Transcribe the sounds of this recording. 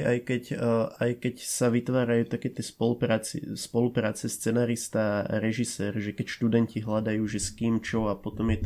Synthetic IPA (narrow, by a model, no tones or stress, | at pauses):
ʔajkɛcajkɛcsaʋit̪ʋaːɾajuːt̪akɛːt̪ɪɛspɔlupɾaːt͡sḭspɔlupɾaːt͡sɛst͡sɛnaːɾist̪aːɾɛʒisɛːɾʒɛkɛcʃt̪ud̪ɛnciɦlad̪ajuːʒɛskiːmt͡ʃɔapɔt̪ɔmjɛt̪